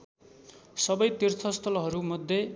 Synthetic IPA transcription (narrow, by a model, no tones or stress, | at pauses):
sʌbʌjt̪irt̪ʰʌst̪ʰʌlɦʌɾumʌd̪ʱːje